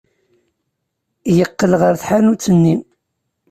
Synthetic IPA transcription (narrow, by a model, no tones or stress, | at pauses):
jəqːəlʁəɾθħanut͡sːənːim